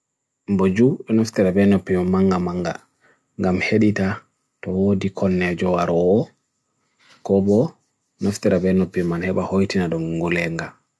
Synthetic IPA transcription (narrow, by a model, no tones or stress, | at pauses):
mbod͡ʒuɗɔnaftɛɾabɛnopːimaŋɡamaŋɡa̰ | ŋɡamheɗita | tɔwodikʰɔnːɛd͡ʒɔwaɾɔː | kɔbɔ | naftɛɾabɛnopːimanhɛbahojtinaɗɔmŋɡulɛŋɡa